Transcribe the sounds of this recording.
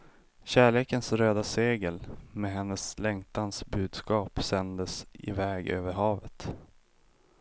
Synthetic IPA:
ɕæːɭeːkənsɾøːd̪aseːɡəlmɛɦɛnːəslɛŋt̪ansbʉ̟ːd̪skɑːpsɛnd̪əsɪ̰vɛːɡø̰ːvəɾɦɑːvət̪

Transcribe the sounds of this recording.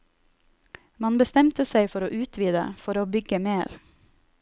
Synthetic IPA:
mɑnbəst̪ɛmt̪əsæɪfɔɾoːʔʉːt̪ʰʋiːd̪ə̰fɔɾoːbʏɡəmeːɾ

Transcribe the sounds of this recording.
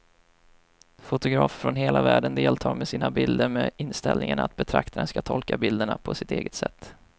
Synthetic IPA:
fʊt̪ʊɡɾɑːffɾɔnɦeːlʔavæːɖənd̪eːlt̪ʰɑːɾmɛsiːnabɪld̪əɾmeɪnst̪ɛlnɪŋaɳat̪̚bɛt̪ʰɾakt̪ʰaɾənskat̪ʰɔlkabɪld̪əɳapʰɔsɪt̪eːɡət̪sɛt̪ː

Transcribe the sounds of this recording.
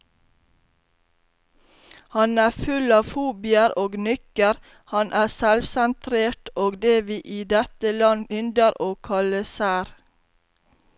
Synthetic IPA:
hɑnæːfʉlɑːfuːbɪəɾoːɡnʏkəɾ | hɑnʔæːsɛlʋsɛnt̪ʰɾeːʈoːɡd̪eːʋiːʔiːd̪ɛt̪əlɑnʏnd̪əɾʔoːkʰɑləsæːɾ

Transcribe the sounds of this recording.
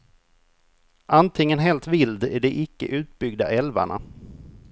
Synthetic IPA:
ʔant̪ʰɪŋːənɦɛːlt̪vɪld̪æɖɛʔɪkːə̰ʔʉ̟ːt̪̚bʏɡd̪a̰ʔɛlva̰ɳa̰

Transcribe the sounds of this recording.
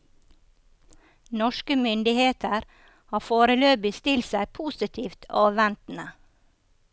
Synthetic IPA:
nɔʃkəmʏnd̪ɪheːt̪əɾ | hɑːfoːɾəløːbɪst̪ɪlsæɪpʰuːsɪt̪ʰiːft̪ʰɑːʋɛnt̪n̩ə

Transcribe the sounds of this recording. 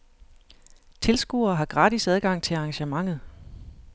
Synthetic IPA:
t͡sʰe̝lsɡ̥uɐːɦɑ̈ɡ̥ʁɑ̈ːd̥isæð̞ˠɡ̥ɑ̈ŋ̰t͡sʰe̝ɑ̈ŋɕəmɑ̈ŋ̰ð̞̩ˠ

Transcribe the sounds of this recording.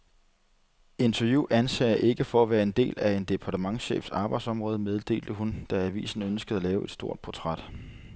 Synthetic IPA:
e̝nt͡sʰæɐjṵænsɛ̰ɐʔe̝ɡ̥əfɒæʋæːɐe̝nd̥e̝̰ːlæe̝nd̥e̝pʰɑ̈dʰəmɑ̈ŋɕḛːfsɑ̈ːb̥ɑ̈ɪd̥sɒ̽mʁɔ̽ːð̞ˠəmeð̞ˠd̥e̝̰ːld̥əɦund̥ɑ̈æʋḭːsn̩ønsɡ̥əð̞̩ˠælɛːʊe̝d̥sd̥o̝ɐ̰d̥̚pʰot͡sʰʁad̥

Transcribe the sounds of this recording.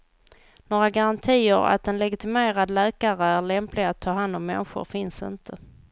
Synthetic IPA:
noːɾaɡaɾant̪ʰiːəɾa̰t̪̚d̪ɛnlɛɡɪt̪ɪmeːɾad̪lɛːkaɾəæɭɛmplɪɡat̪ʰːɑːɦand̪ɔmːɛ̰nɧʊ̰ɾfɪnsɪ̰nt̪ʰə

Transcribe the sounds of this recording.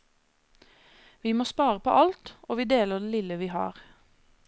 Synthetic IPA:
ʋiːmoːspɑːʁəpʰo̰ːʔɑlt̪ʔoːʋiːd̪eːləd̪eːlɪləʋiːhɑ̰ːʁ

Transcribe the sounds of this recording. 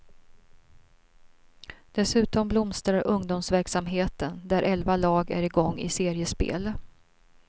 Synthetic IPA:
d̪̥ɛsʉ̟ːt̪ɔmblʊmst̪ɾaɾʔɵŋd̪ʊmsvæɾksamɦeːt̪ənd̪æɾʔɛlvalɑːɡæ̰ɾɪɡɔŋːɪ̰seːɾɪəspḛːl

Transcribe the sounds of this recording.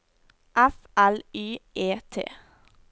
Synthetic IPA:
ʔæf | ælyːʔeːt̪ʰḛː

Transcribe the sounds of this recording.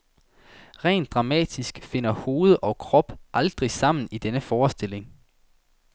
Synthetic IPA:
ʁɛ̰ːnd̥ʁɑ̈mɛ̰ːd̥isɡ̥fe̝n̰ɐho̝ːð̞̩ˠʔɒ̽kʰʁɒ̽b̥ʔɑ̈ld̥ʁisɑ̈m̰n̩id̥enəfɒːsd̥e̝le̝ŋ

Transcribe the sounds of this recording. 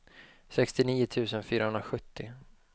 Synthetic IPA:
sɛkst̪ɪniːʊt̪ʰʉ̟ːsənfyːɾahɵnɾaɧɵt̪ːɪ

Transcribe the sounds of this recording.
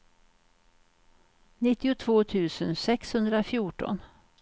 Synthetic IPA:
nɪt̪ːɪʊt̪ʰvoːt̪ʰʉ̟ːsənsɛkshɵnd̪ɾafjuːʈɔ̰n

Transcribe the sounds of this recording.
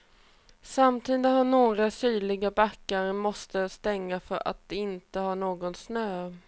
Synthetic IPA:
samt̪ʰiːd̪əhaɳoːɡɾasyːlɪɡabakːaɾmɔst̪əst̪ɛŋːafœɾa̰t̪̚d̪̥ɛɪnt̪əhaɳoːɡɔnsnøː

